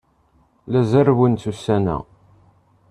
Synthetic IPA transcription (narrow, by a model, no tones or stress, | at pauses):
læzæɾwənt͡sːusænæ̰